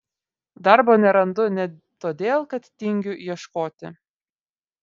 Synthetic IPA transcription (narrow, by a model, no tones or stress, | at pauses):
d̪ɑɾboːnʲɛɾɐnd̪ʊnʲɛ | t̪oːd̪ʲeːlˠkɐt̪t̪ʲɪŋʲɡʲʊɛʃkoːt̪ʲɪ̰